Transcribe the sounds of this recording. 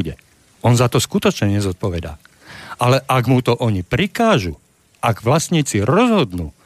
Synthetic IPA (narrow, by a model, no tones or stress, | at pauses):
ɟɛ | ɔnzat̪ɔskut̪ɔt͡ʃɲɛɲɛzɔt̪̚pɔʋɛd̪a̰ː | ʔalɛʔaɡmut̪ɔʔɔɲipɾikaːʒṵ | ʔaɡʋlasɲiːt͡siɾɔzɦɔd̪nuː